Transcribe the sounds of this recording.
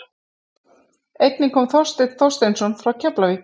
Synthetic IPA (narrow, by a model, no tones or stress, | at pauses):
ejt̪nɪkʰɔːmθɔrst̪ɪt̪θɔr̥st̪ejnsɔnfɾawcʰɛplavi